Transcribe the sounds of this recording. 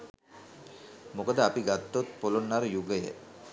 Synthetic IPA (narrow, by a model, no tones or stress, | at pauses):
mokəd̪əapiɡat̪ːot̪̚polonːaɾəjuɡəjə̰